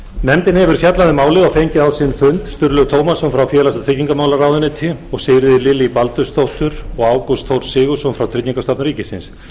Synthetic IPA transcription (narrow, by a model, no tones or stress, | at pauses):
nɛmt̪ɪnhɛvʏɾ̥fjat̪laðɪmaːwlɪɣawfejɲcɪðaðsɪnfʏnt̪st̪ʏɾlœɣt̪ʰoːwmasɔmfɾawfjɛːlast̪t̪ɾɪcːiŋkamaːwlaraːwðʏnɪt̪ʰɪɔɣsɪjɾɪðɪlɪliipalt̪ʏst̪θowht̪ʏɾɔɣaːwkɔst̪ʰowɾsɪːɣʏsɔmfɾawt̪ʰɾɪcːiŋkast̪apnɾiːcɪsɪns